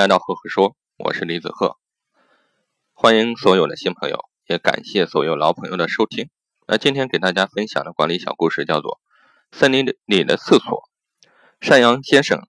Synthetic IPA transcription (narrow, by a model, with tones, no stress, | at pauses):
a˥˧ɪt̪ɑ˥˧ʊxɤ˥˩xɤ˥˩ʂwɔ˥ | wɔ̰˨˩ʂɻ̩˥˩li˧˥t͡sɹ̩˨˩xɤ̰˥˩ | xwa˥ni˧˥ŋswɔ˧˥jo˨˩ʊd̪ə̰˦ɕi˥npʰɤ˧˥ŋjo̰˧˩ʊjɛ˧˥ka̰˨˩nɕjɛ˥˩swɔ˧˥jo˧˩ʊlɑ˧˥ʊpʰɤ˧˥ŋjo˥˩ʊd̪ə˩ʂo˥ʊt̪ʰi˥ŋ | a̰˧˥t͡ɕi˥nt̪ʰjɛ˥ŋke˨˩ɪt̪a˥˩t͡ɕja˥fə˥nɕjɑ̰˨˩ŋd̪ə˦kwa˧˥nli˧˥ɕjɑ˨˩ʊku˥˧ʂɻ̩˥˧t͡ɕjɑ˥˧ʊt͡swɔ̰˥˩ | sə˥˩nli˧˥li˨˩d̪ə̰˦t͡sʰɹ̩˥˩swɔ̰˨˩˦ | ʂa˥˩njɑ˧˥ŋɕjɛ˥nʂɤ̰˨˩˦ŋ